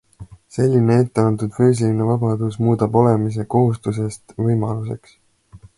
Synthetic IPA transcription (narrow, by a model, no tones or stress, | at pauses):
se̞lʲːinee̞t̪ːe̞ɑnt̪ud̪̥fyːs̬ilinevɑbɑd̪̥usmuːd̪ɑbo̞le̞mis̬e̞ko̞ɦust̪us̬e̞st̪vɤjmɑluse̞ks